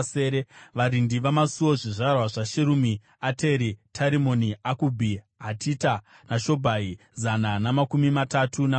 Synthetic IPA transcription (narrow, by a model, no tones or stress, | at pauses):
seːɾeʋaɾindiʋamasuwo̞ʐiʐarwaʐaʃeɾumi | ate̞ɾitʰaɾimoniakubʱi | ɦatʰita | naʃo̞bʱai | zananamakumimatatʰuna